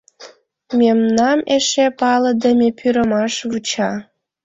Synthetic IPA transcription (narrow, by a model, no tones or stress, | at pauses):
memnɑmeʃepɑlə̆d̪əmʲepʰyɾəmɑʃβut͡ɕɑ